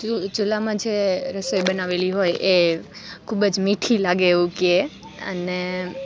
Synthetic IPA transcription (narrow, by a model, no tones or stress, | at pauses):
t͡ʃulamãd͡ʒeɾəsəjbənaʋeliɦojʔe | kʰubəd͡ʒmiʈʰilaɡeʋũke | ə̰ne